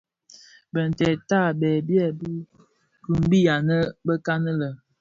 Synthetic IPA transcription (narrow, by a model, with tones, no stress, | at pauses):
bə˨n˨tɛ˨ta˦˨bɛ˨bjɛ˦˨b | ɡʉ˨m˦bi˦ja˨nə˦bə˦ka˦nə˦lə˨